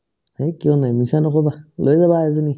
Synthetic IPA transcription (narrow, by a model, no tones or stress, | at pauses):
ekijɔnajmisanɔkɔbalojzabazuni